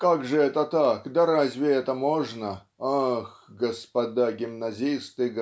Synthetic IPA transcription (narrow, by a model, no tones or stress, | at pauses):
kakʐɨɛt̪ət̪akd̪ɐɾazʲvʲɪɛt̪əmoʐnə | axɡəspɐd̪aɡʲɪmnɐzʲist̪ɨɡ